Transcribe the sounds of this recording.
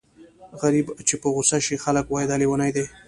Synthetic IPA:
ɣaɾibt͡ʃepəɣʊsaʃixaləkwɑjd̪aliwanajd̪e

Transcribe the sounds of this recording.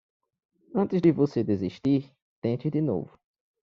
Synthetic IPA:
ɐ̃t̪ɪzd̪ɪvosed̪eziʃt̪iɾ | t̪ẽt͡ʃ̪ɪd̪ɪno̰vʊ

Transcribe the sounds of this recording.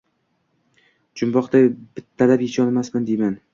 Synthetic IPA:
d͡ʒʊmbɒqd̪ab̥ɪt̪ʰːalapjɪt͡ʃʰɒnmasmand̪ejman

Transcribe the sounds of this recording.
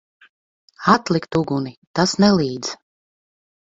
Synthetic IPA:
at̪lˠikt̪uɡunit̪asnɛlˠiːd̪z

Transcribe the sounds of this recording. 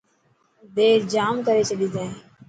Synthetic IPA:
d̪eːɾd͡ʒaːmkəɾeːt͡ʃəɗiːd̪ẽː

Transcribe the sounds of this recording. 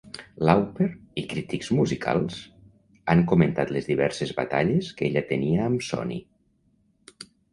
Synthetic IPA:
lawpeɾikɾit̪ikzmuzikʰa̰lˠs | aŋkument̪at̪lezðiβɛɾsezβa̰t̪aʎeskeʎət̪əniəːmsɔ̰nḭ

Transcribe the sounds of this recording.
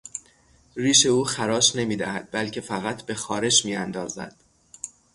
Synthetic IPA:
riːʃe̞uːxæɾɒːʃne̞miːd̪æhæd̪̚bælcʰe̞fæɣæt̪ʰbe̞xɒːɾe̞ʃmiːænd̪ɒːzæ̰d̪̥

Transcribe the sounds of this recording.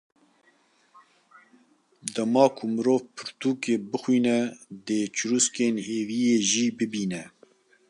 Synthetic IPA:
d̪ɛmɑːkʰʊmɨɾoːvpʰɨɾt̪uːkeːbɨxwiːnɛd̪eːt͡ʃʰɨɾuskeːnheːviːjeːʒiːbɨbiːnɛ

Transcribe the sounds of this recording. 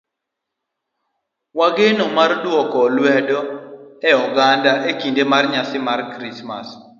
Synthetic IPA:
waɡenomardwɔkɔlwɛdɔɛɔɡandaʔekindemarɲasɪmarkɾisma̰s

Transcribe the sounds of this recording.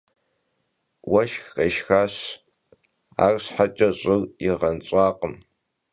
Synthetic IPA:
wɐʃxqeːʃxaːɕ | a̰ːrɕħat͡ʃʼɐɕʼɪriʁɐnt͡ɕʼɑːqəm

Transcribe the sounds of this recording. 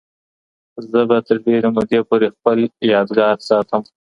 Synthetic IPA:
zəbat̪əɾd̪eɾəmod̪epoɾexpəljɑd̪ɡɑɾsɑt̪ʰəm

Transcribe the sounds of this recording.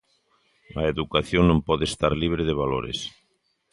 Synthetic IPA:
ɐeðukaθjoŋnõmpɔðest̪aɾliβɾeðeβ̞alo̰ɾḛs

